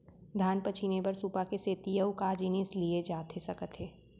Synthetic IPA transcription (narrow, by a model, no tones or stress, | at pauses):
d̪ʱaːnpət͡ʃʰinebɐɾsupakeseːt̪ijəukaːd͡ʒinislied͡ʒaːt̪ʰesɐkət̪ɦeː